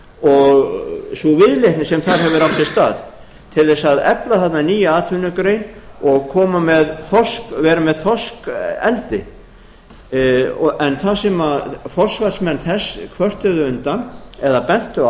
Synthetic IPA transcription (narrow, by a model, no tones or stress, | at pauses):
ɔɣsuvɪðlejhk̪nɪsɛmθaɾ̥ɦɛvʏɾawft̪ʰːɪlst̪aːð | t̪ʰɪlðɛsaðɛplaθat̪naniːjaaːt̪ʰʏnʏkɾejnɔɣkʰɔːmamɛðθɔskvɛːɾamɛðθɔskɛ̰lt̪ɪ | ɛnθasɛmafɔr̥svat̪smɛnθɛskʰvœr̥t̪ʏðʏʏnt̪anɛðapɛn̥t̪ʏ